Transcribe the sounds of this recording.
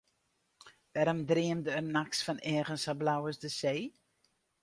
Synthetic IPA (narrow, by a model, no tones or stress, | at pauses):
ʋɛːɾəmdriəmdəərnaksfɑnɛːɣənsablawəsdəseː